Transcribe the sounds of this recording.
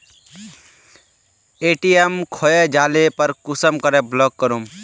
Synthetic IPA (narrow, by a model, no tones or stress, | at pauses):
eːʈiemkʰɔed͡ʒaːlepəɾkʊsəmkəɾeblɔkːəɾum